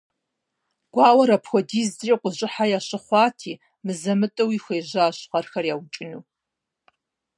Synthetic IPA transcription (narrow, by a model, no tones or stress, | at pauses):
ɡ̥ʷɑːwɐɾɐpxʷɔdiːzriːqʷʊʑʼɪħajaːɕɨχʷɑːtʰiː | mɨzɐmɨtʼɐwixʷeːʑaːɕqɐrxɐrjaːwt͡ʃʼɪnuː